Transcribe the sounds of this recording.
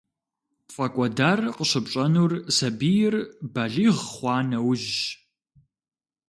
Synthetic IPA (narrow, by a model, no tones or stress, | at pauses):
fʼɐkʷʼɔdaːrqəɕɨpɕʼɐnuːrsɐbiːjɪrbɐɮiːʁχʷɑːnɐwʒ